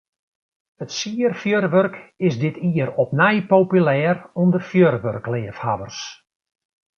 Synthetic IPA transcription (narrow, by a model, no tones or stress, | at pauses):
ətsiːərfjørʋørkɪsdɪtʰiːəɾɔpnɛjpopylɛːrundərfjørʋø̰rklɪːəfhaʋərs